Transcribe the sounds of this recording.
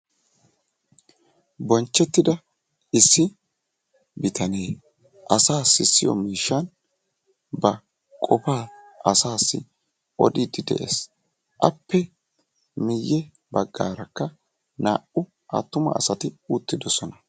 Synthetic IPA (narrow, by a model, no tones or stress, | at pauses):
bɔnt͡ʃːɛt̪ːɪd̪ɐ | ɪsːɪ | bɪt̪ʰɐneː | ʔɐsaːsːɪsːɪjɔ̰miːʃːɐn | bɐ | kʼɔpaː | ɐsaːsːɪ̰ | ɔ̰d̪ɪd̪ɪd̪ɛ̰ʔḛːs | ʔɐpːɛ | mɪjːɛ | bɐɡːa̰ːɾɐkːɐ | na̰ːʔʊ | ʔɐ̰t̪ːʊmɐ̰ːsɐt̪ɪut̪ːɪd̪ɔsɔnɐ